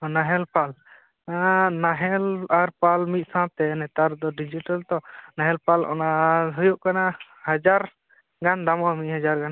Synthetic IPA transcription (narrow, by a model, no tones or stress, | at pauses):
naɦɛlpal | naɦɛlaɾpalmit̪̚ˀsãt̪ɛnɛt̪aɾd̪ɔɖid͡ʒiʈalt̪ɔnaɦɛlpalʔɔ̰naɦujuʔkana | had͡ʒaɾ | ɡand̪amɔmit̪̚ˀhad͡ʒaɾɡan